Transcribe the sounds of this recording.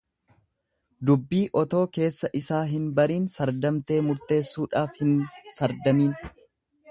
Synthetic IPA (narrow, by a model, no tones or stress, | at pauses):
d̪ʊbːiːʔɔt̪o̞ːke̞ːsːɐʔɪsaːɦɪnbɐɾiːnsɐɾd̪ɐmt̪e̞ːmʊɾt̪e̞ːsːuːᶑaːfhɪnsɐɾd̪ɐmiːn